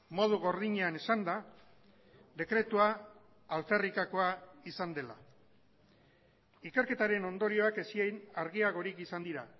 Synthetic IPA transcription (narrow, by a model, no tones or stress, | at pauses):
mo̞ð̞uɣo̞ɾðiɲeanesand̪a | d̪e̞kɾe̞t̪uaː | lfe̞rikako̞aisand̪e̞la̰ | ike̞ɾke̞t̪aɾe̞no̞nd̪o̞ɾio̞ake̞siejnaɾɣiaɣ̞o̞ɾikisand̪iɾa